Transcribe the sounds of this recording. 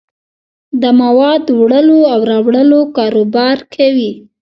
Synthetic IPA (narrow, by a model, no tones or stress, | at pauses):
d̪əmawɑd̪wɽəloawɾɑwɽəlokɑɾobɑɾkʰawi